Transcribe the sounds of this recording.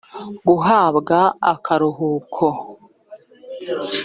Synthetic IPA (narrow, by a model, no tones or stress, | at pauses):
ɡuɦaːβɡaa̰kʰaɾuɦuːkʰo